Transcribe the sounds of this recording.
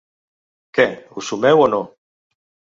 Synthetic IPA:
keusumewono

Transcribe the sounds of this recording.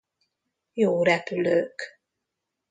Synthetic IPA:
joːɾɛpyløːk

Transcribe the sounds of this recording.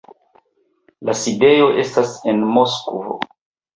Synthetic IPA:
laside̞jo̞ʔe̞stase̞nmoskvo̰

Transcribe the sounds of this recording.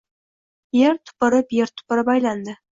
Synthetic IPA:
jeɾt̪ʰʊ̥pɪɾəpjeɾt̪ʰʊ̥pɪɾəpɑjland̪ə

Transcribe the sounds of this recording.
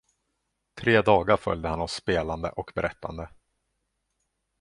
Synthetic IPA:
t̪ʰɾeːd̪ɑːɡaɾfœ̰ljd̪əhanɔsːpeːland̪ə̰ʔɔkbɛɾʔɛt̪ʰːa̰nd̪ə

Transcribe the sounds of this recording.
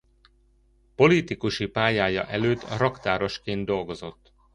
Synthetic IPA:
po̞lit̪ikuʃipaːjaːjɒ̰ʔɛløːt̪ːrɒkt̪aːɾo̞ʃkeːnd̪̚d̪o̞lɡo̞zo̞t̪ː

